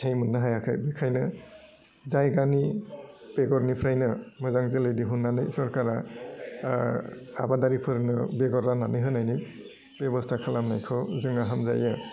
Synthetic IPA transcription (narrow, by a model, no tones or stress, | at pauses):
tʰejmɯnːɯɦajakʰajbikʰajnɯ | zajɡanib̥eɡɔɾnipʰɾajnɯmɯzaŋzelɯjdiɦunːanɯjsɔɾkaɾa | a̰badaɾipʰɯɾnɯbeɡɔɾananɯjɦɯnajni | b̥ebɔstʰakʰalamnajkʰɔwzɯŋaɦamza̰jɯ